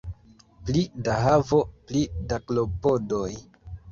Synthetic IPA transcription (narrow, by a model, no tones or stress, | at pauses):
plidaɦavo̞plidaklopodoj